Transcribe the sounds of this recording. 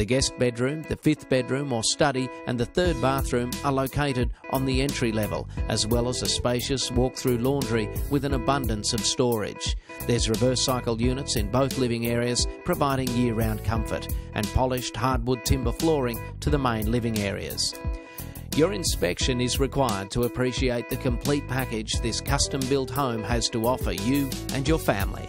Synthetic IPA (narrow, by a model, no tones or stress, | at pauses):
ðɨɡɛst̚b̥ɛdɹʉ̃mðɨfɪfθb̥ɛdɹʉ̃mə˞stʌɾiʔɨ̰̃nðɨθɜ˞d̚bɑθɹʉ̃mə˞loʊkʰeɪɾɨɾʔn̩ðiɛ̃nt͡ʃɹ̥ilɛvə̰lˠʔɨzwɛlˠəzɨspeɪʃɨswɔk̚θɹʉlɔɹndɹiwɨðɨ̃nəbʌ̃ndɨ̃nsʌv̥stɔɹɪ̰d̥ʒ̥ | ðə˞zɹɨvɜ˞saɪkl̩ˠjʉnɨtsɨ̃nboʊθlɪvɪ̃ŋɛɹiɨz̥pʰɹ̥ɨvaɪɾɪ̃ŋjɪɹãʊ̃nkʰʌ̃ɱfə̰˞ɾʔɨ̰̃npʰɑlˠɨɪʃt̚hɑɹd̚wʊd̚tʰɪ̃mbə˞flɔɹɪ̃ŋtʰɨðɨmẽɪ̃nlɪvɪ̃ŋɛɹḭɨ̰z̥ | jə˞ɨ̃nspɛkʃɨ̃nɨzɹɨkʰw̥aɪə˞d̚tʰəəpʰɹ̥iʃieɪt̪̚ðɨkʰɨ̃m̩pʰl̥it̚pʰækɪd͡ʒðɪskʰʌstɨ̃mbɪlˠt̚ɦõʊ̃mɨz̥təɔfə̰˞jɨʔɨ̃njə˞fæ̃mlḭ